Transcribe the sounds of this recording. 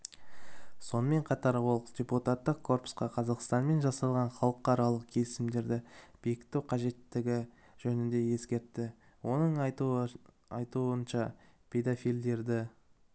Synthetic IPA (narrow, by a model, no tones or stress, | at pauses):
so̞nəme̞ɴqʰɑt̪ɑɾwolˠd̪ʲe̞put̪at̪ːəqkʰːo̞rpʊ̥sqɑqʰɑzɑqst̪ɑnme̞nʒɑsɑlˠʁɑnχɑlˠəqːɑɾɑlˠəq̚kʲʰe̞lɪsɪmd̪e̞ɾd̪ɪb̥ijɪkʲt̪ːɪwqʰɑʒe̞t̪ːɪɡʲɪ | ʒ̥ɵnɪnd̪e̞je̞skʲe̞ɾt̪ːɪ | wʔo̞nəɴ | ɑjt̪uənʃɑpʲʰe̞d̪ofijld̪e̞ɾd̪ɪ